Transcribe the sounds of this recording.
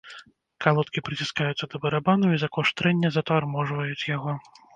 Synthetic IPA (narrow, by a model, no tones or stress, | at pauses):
kalˠɔt̪kʲipɾɨt͡sʲiskajut̪sːɐd̪ɐbɐɾabanuizɐkɔʂt̪ɾɛnʲːɐzɐt̪armɔʐvɐjut͡sʲjaɣɔ